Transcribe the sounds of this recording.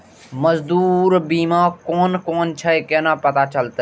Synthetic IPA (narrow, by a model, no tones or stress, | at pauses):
məzd̪uːɾbiːmãːkoːnkoːnt͡ʃʰəkeːnaːpət̪at͡ʃəlt̪e